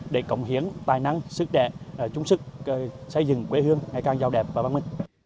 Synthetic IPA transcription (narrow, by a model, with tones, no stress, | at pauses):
ɗe˧˩kə̰˧˩wŋ͡mɦi˨˦ənt̪aː˨˩jna˧ŋsɨ˦˥k̚ɗɛ̰˧˨˩t͡ɕʊ˨˦ŋ͡msɨ˦˥k̚ːsə˧jzɨ̰˨˩˨ŋkwe˨˦ɦɨ˧əŋŋa˨˩jkaː˧˩ŋzaː˧˩wɗɛ˨˩p̚vaː˨˩va˧nmï˧ŋ̟